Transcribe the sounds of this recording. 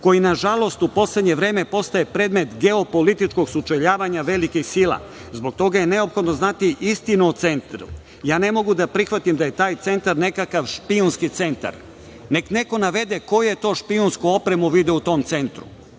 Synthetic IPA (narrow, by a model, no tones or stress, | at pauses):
ko̞jinaʒalo̞st̪upo̞sled̪ɲe̞ʋɾe̞ːme̞po̞st̪aje̞pɾe̞ːd̪me̞t̪ɡe̞o̞po̞lit̪it͡ʃko̞ɡsut͡ʃeʎaːʋaɲaʋe̞likixsila̰ | zbo̞k̚t̪o̞ɡaje̞ne̞o̞pxo̞d̪no̞znat̪iʔist̪inuot̪se̞nt̪ɾṵ | jaːne̞mo̞ɡud̪apɾixʋat̪imd̪aje̞t̪aːjt̪se̞nt̪aɾne̞kakaʋʃpiunskit̪se̞nt̪a̰ɾ | ne̞kne̞ko̞naʋe̞d̪e̞ko̞jujet̪o̞ːʃpiunskuopɾe̞muʋid̪eut̪o̞ːmt̪se̞nt̪ɾṵ